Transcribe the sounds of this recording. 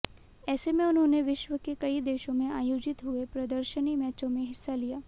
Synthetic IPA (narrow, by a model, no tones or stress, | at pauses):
ɛːsemẽʊnɦõːneʋɪʃʋəkekɐid̪eːʃõmẽaːjoːd͡ʒɪt̪ɦuepɾɐd̪əɾʃənimɛːt͡ʃõmẽɦɪsːalijaː